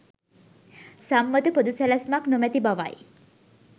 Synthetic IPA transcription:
samːəd̪əpod̪usælasmaknumæt̪ibaʋa̰j

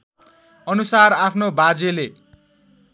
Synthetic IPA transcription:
ʌnusarapʰnobad͡zele

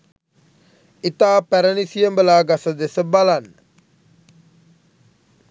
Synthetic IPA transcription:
it̪aːpæɾənisijəmbəlaːɡasəd̪esəbalanːə

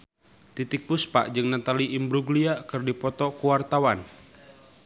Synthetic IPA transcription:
t̪it̪ik̚puspa̰ʔd͡ʒɨŋnat̪aliimbɾuɡliakɨrdipɔt̪ɔkuwart̪awan

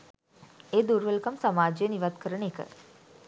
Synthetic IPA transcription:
eːd̪uɾʋəlkamsamaːd͡ʒəjəniʋat̪kəɾəɳəːkə̰

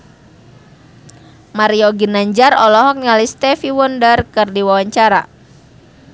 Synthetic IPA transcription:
maɾiɔɡinaɲd͡ʒaɾɔlɔɦɔk̚ɲalist̪ɛfiwɔndərkɨrdiwawaɲt͡ʃaɾa̰

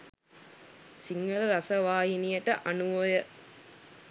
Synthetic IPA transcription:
siŋɡələɾasɐʋaːɦinijəʈəʔanuʋojə

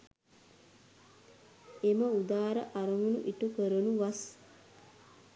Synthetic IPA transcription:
eməud̪aːɾə̰ʔaɾɐŋɡunṵʔiʈukəɾənuʋɐs

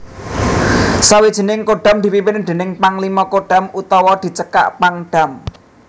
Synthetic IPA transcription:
sawid̥ʒ̥i̤nɪŋkoɖ̥a̤md̪̥i̤pipɪnd̪̥e̤nɪŋpaŋlimɔkoɖ̥a̤mut̪ɔwɔd̪̥i̤t͡ʃəka̰ʔpaŋɖ̥a̤m

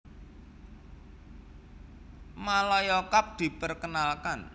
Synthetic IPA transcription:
malɔjɔkap̚d̪̥i̤pərkənalkan

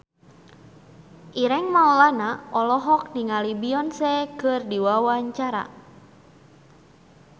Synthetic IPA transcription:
ʔiɾɛŋmaulanaʔɔlɔɦɔk̚niŋalibiɔnsɛkɨrdiwawaɲt͡ʃaɾa̰

